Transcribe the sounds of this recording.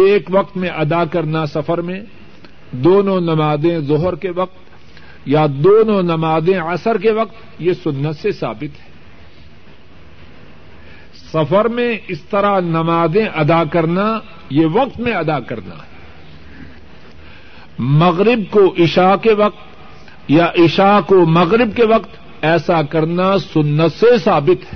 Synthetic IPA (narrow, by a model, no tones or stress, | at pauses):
eːkʋɐq̚t̪mẽʔɐd̪akɐɾnasɐfəɾmẽ | d̪oːnõnɐmaːd̪ẽzʊɦɾkeʋɐq̚t̪ | jad̪oːnõnɐmaːd̪ẽɐsəɾkeʋɐqt̪ | jesʊnːət̪sesa̰ːbɪt̪ɦɛ̥ː | sɐfəɾmẽɪst̪ɐɾanɐmaːd̪ẽʔɐd̪aːkɐɾna | jeʋɐq̚t̪mẽɐd̪aːkɐɾna̰ː | mɐɣɾɪbkoʔɪʃaːkeʋɐq̚t̪ | jaʔɪʃaːkomɐɣɾɪbkeʋɐqt̪ | ɛːsakɐɾnasʊnːət̪sesaːbɪt̪ɦɛː